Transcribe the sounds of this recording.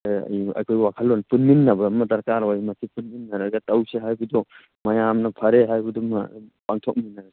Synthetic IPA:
a̰ja̰jkʰojwakʰalːɔnpunminːabɐmadɐɾkaɾawajmasipunminːaɾaɡatawseɦajbudɔ | majamnɐpʰɐɾeɦajkudɔma̰paŋtʰɔk̚minːaɾ

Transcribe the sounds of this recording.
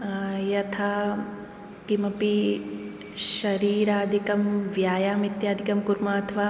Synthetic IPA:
jɐt̪ʰa | kimɐpi | ʃɐɾiːɾaːd̪ʱikɐmʋjaːjaːmit̪jaːd̪ʱikɐmkuɾmaːɐt̪ʰɐʋaː

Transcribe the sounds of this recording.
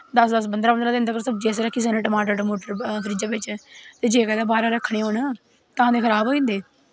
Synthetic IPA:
d̪əsd̪əsbənd̪ɾaːbənd̪ɾãːd̪eənd̪kəɾsəbd͡ʒeːsɾəkʰːiːs̬aːneːʈəmaːʈoːʈəmoːʈəɾkʰəɾiːd͡ʒaːʋɪt͡ʃt̪eːd͡ʒeːkɛːd̪aːbaːɾãːɾəkʰːɽ̃eːɦoːɳ | t̪əãːd̪eːkʰəɾaːbɦoːĩːnd̪eː

